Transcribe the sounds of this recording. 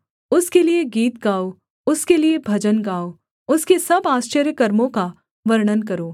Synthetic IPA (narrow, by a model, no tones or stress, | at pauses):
ʊskelieɡiːt̪̚ɡaːo | ʊskeliebʱɐd͡ʒənɡaːo | ʊskesɐbaːst͡ʃəɾjəkɐɾmõka | ʋɐɾɽ̃ənkɐɾoː